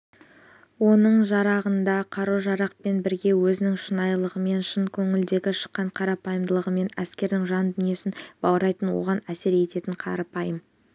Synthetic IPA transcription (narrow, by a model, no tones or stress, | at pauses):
wo̞nəɴʒɑɾɑʁənd̪ɑqʰɑɾuʒɑɾɑq̚pe̞nbɪɾɡʲe̞wɵzɪnɪŋʃənɑjlˠəʁəme̞nʃənkʲʰɵŋɪld̪e̞ɡʲɪʃə̥qːɑɴqʰɑɾɑpɑjəmd̪əlˠəʁəme̞næskʲe̞ɾd̪ɪŋʒɑnd̪ʏnije̞sɪnb̥ɑwəɾɑjt̪ənwo̞̰ʁɑnæse̞ɾje̞t̪e̞t̪ɪɴqʰɑ̰ɾɑpɑjəm